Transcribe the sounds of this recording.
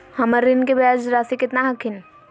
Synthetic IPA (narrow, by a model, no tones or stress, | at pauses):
həməɾːinkebad͡ʒɾasikɪt̪naɦəkʰin